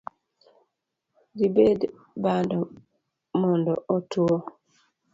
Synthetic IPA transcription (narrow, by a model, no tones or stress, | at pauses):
dibed | bandɔ | mɔndɔʔɔtuɔ